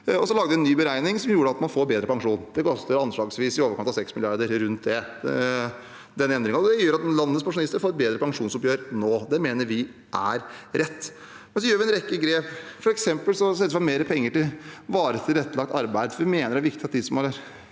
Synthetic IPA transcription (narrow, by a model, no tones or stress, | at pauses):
ɔsɔlɑɡd̪ʋɪɛnːyːbəɾæɪnɪŋsɔmjuːɾəɑt̪mɑnfoːɾbeːd̪ɾəpɑŋʂuːnd̪ɛkʰɔst̪əɾɑnʂɭɑːɡsʋiːsɪoːʋəɾkɑmft̪ɑsɛksmɪlɪɑɾd̪əɾɾʉnt̪̚d̪ɛ | d̪ɛnːəɛnd̪ɾɪŋɑɔd̪ɛjøːɾɑt̪nlɑnəspɑŋʂʊnɪst̪əɾfoːɾɛt̪beːd̪ɾəpɑŋʂuːnsɔpjøːɾnoːd̪ɛmeːnəɾʋɪ | ʔæ̰ɾɾɛt̪ː | mɛnsɔjøːɾʋɪɛnɾɛkːəɡɾeːpfɔɾɛksɛmpəlsɔsɛt̪əsʋɑnmeːɾəpʰɛŋːəʈɪlʋɑːɾət̪ʰɪlɾɛt̪ːlɑk̚t̪ɑɾbæɪd̪fɔɾʋɪmeːnəɾæɾʋɪkt̪ɪɑt̪̚d̪ɪsɔmɑləɾ